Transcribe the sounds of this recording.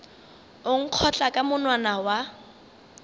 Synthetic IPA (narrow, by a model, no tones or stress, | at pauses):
ʊŋ̩q͡χʰɔt͡ɬʼakʼamʊnwanawa